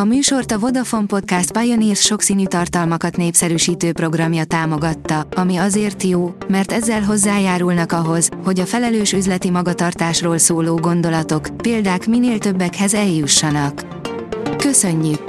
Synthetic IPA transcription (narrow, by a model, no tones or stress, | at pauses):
ɒmyːʃo̞rt̪ɒvo̞d̪ɒfo̞mpo̞t̪̚kast̪̚pɒjoniːrsʃo̞ksiːnyːt̪ɒrt̪ɒlmɒkɒt̪neːpsɛɾyːʃiːt̪øːpro̞ɡrɒmjɒt̪aːmo̞ɡɒt̪ːɒɒmiɒzeːrt̪joːmɛrt̪ɛzːɛlɦo̞zːaːjaːɾulnɒkɒɦo̞zho̞ɟɒfɛlɛløːʃyzlɛt̪imɒɡɒt̪ɒrt̪aːʃroːlsoːloːɡo̞n̪d̪o̞lɒt̪o̞kpeːld̪aːkmineːlt̪ø̞bːɛkhɛzɛljuʃːɒnɒkː | ø̞sø̞ɲːyk